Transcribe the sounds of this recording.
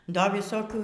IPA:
ˈdɐ ʋʲɪˈsoːkʲuː

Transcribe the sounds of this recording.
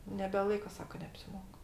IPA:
nʲɛbʲɛˈlˠɐɪkɐ ˈsɑːkɐ nʲɛɐpʲsʲɪˈmoːk

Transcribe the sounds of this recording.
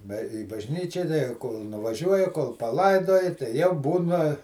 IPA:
bɐ iː bɐʒʲˈnʲiːt͡ʃʲɛ koːlˠ nʊʋɐˈʒʲuɔjɛ koːlˠ pɐˈlˠɐɪdoːjɛ tɐɪ jɛʊ ˈbuːnɐ

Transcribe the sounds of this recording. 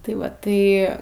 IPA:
tɐɪ ˈʋɐ tɐɪ

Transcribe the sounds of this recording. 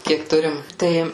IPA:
ˈkʲiɛk ˈtʊrʲɪm ˈtɐɪ

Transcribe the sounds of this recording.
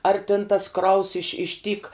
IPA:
ɐr tʲɪn tɐs ˈkrɐʊs ɪʃ ɪʃ tʲiːk

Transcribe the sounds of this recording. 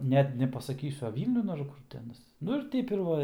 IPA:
ˈnʲɛt nʲɛpɐsɐˈkʲiːsʲʊ ɐ ˈʋʲiːlʲnʲʊn ɐr ˈkʊr tʲɪ ˈɑːnɐs ˈnʊ ɪr ˈtʲɛɪp ɪr ˈʋɐ ɪr

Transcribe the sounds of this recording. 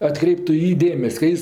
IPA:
ɐtˈkrʲɛɪptʊ ɪ ˈjiː ˈdʲeːmʲɛsʲ kɐ ˈjɪs

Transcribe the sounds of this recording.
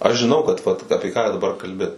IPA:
ɐʃ ʒʲɪˈnɐʊ kɐt ʋɐt ˈɑːpʲɪ kɑː dɐˈbɐr kɐlʲˈbʲɪ

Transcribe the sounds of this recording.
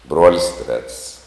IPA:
ˈbruɔlʲɪs tʲrʲɛts

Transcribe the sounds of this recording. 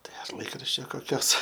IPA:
ˈtɐɪ ɐr ˈlˠɐɪkrɐʃʲt͡ʃʲoː koːˈkʲoːs

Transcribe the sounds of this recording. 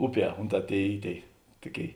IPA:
ˈʊˌpʲiɛ ˈʊnˌtɑː ˈtʲeːɪ ˈiː ˈtʲeːɪ ˈtʊˌkʲeːɪ

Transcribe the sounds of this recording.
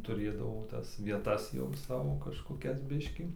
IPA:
tʊˈrʲeːdɐʋoː ˈtɐs ʋʲiɛˈtɐs jɛʊ ˈsɑːʋoː kɐʃkoːˈkʲɛs ˈbʲɪʃʲkʲiː

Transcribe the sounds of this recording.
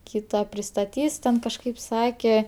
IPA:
ˈkʲiːtɐ pʲrʲɪstɐˈtʲiːs tʲɛn kɐʃˈkɐɪp ˈsɑːkʲɛ

